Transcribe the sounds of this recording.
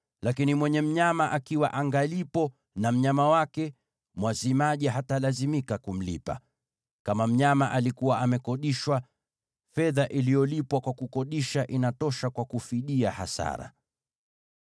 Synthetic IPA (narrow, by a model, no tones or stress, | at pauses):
lakinimwɛɲɛm̩ɲamaʔakiwaʔaŋɡalipɔ | nam̩ɲamawakɛ | mwazimaʄiɦatalazimikakum̩lḭpa̰ | kamam̩ɲamaʔalikuwaʔamɛkɔɗiʃwa | fɛðaʔilijɔlipwakwakukɔɗiʃaʔinatɔʃakwakufiɗiaha̰sa̰ɾa̰